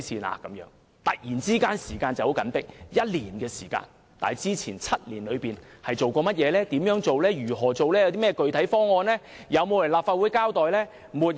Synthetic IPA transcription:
siː˨na̰ː˨˧kɐ˨˧˥mjœ̰ː˨˥ŋ | t̪ɐ˨k̚jiː˨˩nt͡siː˥kaː˥nsiː˨˩kaː˧nt͡sɐ˨who˨˥wkɐ˨˥npɪ˥k̚jɐ˥t̚liː˨˩nkɛː˧siː˨˩ka̰ː˧n | t̪a̰ː˨jt͡siː˥t͡sʰiː˨˩nt͡sʰɐ˥t̚liː˨˩nlɵ˨˧ɥpiː˨˩nhɐ˨jt͡ʃo˨wkɔː˧mɐ˥t̚jɛː˨˧lɛː˥t̪iː˨˥mjœː˨˥ŋt͡so˨wlɛː˥jyː˨˩ɦɔː˨˩t͡ʃo˨wlɛː˥jɐ˧wt̪iː˥mɛː˥kɵ˨ɥt̪ʰɐ˨˥jfɔː˥ŋɔː˧nlɛː˥ | jɐ˨˧wmo˨˧wlɐ˨˩laː˨p̚fa˧t̚wuː˨˥jkaː˥wt̪ɔː˨jlɛː˥ | muː˨t̚

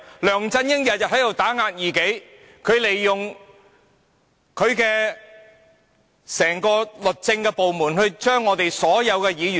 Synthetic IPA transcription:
lœː˨˩ŋt͡sɐ˧njɪ˥ŋjɐ˨t̚jɐ˨t̚hɐ˨˥jt̪o˨˩wt̪aː˨˥ŋaː˧t̚jiː˨˩ke˨˥j | kʰɵ˨˧ɥle˨jːʊ˨ŋ | kʰɵ˨˧ɥkɛː˧ | sɛː˨˩ŋkɔː˧lɵ˨k̚t͡sɪ˧ŋkɛː˧po˨wmuː˨˩nhɵ˧ɥt͡ʃœː˥ŋːɔː˨˧t̪e˨jsɔː˨˥jɐ˨˧wkɛː˧jiː˨˧jy˨

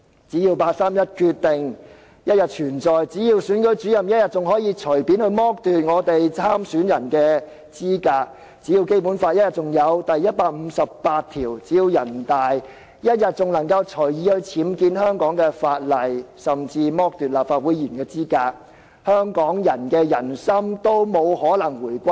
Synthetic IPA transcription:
t͡siː˨˥jiː˧wpaː˧t̚saː˥mjɐ˥t̚kʰy˧t̚t̪ɪ˨ŋ | jɐ˥t̚jɐ˨t̚t͡ʃʰyː˨˩nt͡sɔː˨jt͡siː˨˥jiː˧wsyː˨˥nkɵ˨˥ɥt͡ʃyː˨˥jɐ˨˩mjɐ˥t̚jɐ˨t̚t͡sʊ˨ŋɦɔː˨˥jiː˨˧t͡ʃʰɵ˨˩jpi˨˥nhɵ˧mɔː˥k̚t̪yː˨t̚ŋɔː˨˧t̪e˨jt͡sʰaː˥msyː˨˥njɐ˨˩nkɛː˧ | t͡siː˥kaː˧k̚ | t͡siː˨˥ji˧wke˥jpuː˨˥nfaː˧t̚jɐ˥t̚jɐ˨t̚t͡sʊ˨ŋjɐ˨˧wt̪ɐ˨jːɐ˥t̚paː˧k̚m̩˨˧sɐ˨p̚paː˧t̚t̪ʰiː˨˩wt͡siː˨˥jiː˧wjɐ˨˩nt̪aː˨˩j | jɐ˥t̚jɐ˨t̚t͡sʊ˨ŋlɐ˨˩ŋkɐ˧wt͡ʃʰɵ˨˩jjiː˨˧hɵ˧ɥt͡sʰiː˨˥mkiː˧nhœː˥ŋkɔː˨˥ŋkɛː˧faː˧t̚lɐ˨˩jsɐ˨˩mt͡siː˧mɔː˥k̚t̪yː˨t̚laː˨p̚faː˧t̚wuː˨˥jiː˨˩nkɛː˧t͡siː˥kaː˧k̚ | hœː˥ŋkɔː˨˥ŋjɐ˨˩nkɛː˧jɐ˨˩nsɐ˥mt̪o˥wmo˨˧whɔː˨˥lɐ˨˩ŋwuː˨˩jkʷɐ˥

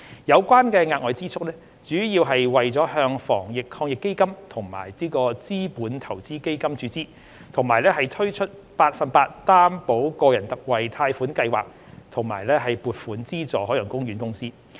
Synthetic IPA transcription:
jɐ˨˧wkʷwaː˥nkɛː˧ŋaː˧t̚ŋɔː˨˧jt͡siː˥t͡sʰʊ˥k̚lɛː˥ | t͡ʃyː˨˥jiː˧wɦɐ˨jwɐ˨jt͡sɔː˨˥ɦœː˧ŋfɔ̰ː˨˩ŋjɪ˨kʰɔː˧ŋjɪ˨kːe˥jkɐ˥mt̪ʰʊ˨˩ŋma̰ː˨˩jliː˥kɔː˧t͡siː˥puː˨˥nt̪ʰɐ˨˩wt͡siː˥ke˥jkɐ˥mt͡ʃyː˨˥t͡siː˥ | t̪ʰʊ˨˩ŋmaː˨˩jlɛː˥hɐ˨jt̪ʰɵ˥ɥt͡ʃʰɵ˥t̚ | paː˧t̚fɐ˨npaː˧t̚t̪aː˥mpo˨˥wkɔː˧jɐ˨˩nt̪ɐ˨k̚wɐ˨jt̪ʰaː˧jfuː˨˥nkɐ˧jwa̰ː˨k̚ | t̪ʰʊ˨˩ŋmaː˨˩jlɛː˥ɦɐ˨jpuː˨t̚fuː˨˥nt͡siː˥t͡sɔː˨˩ɦɔː˨˥jœː˨˩ŋkʊ˥ŋɥyː˨˥nkʊ˥ŋsiː˥

